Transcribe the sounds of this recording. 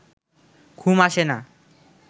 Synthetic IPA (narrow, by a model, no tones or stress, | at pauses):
kʰumaʃena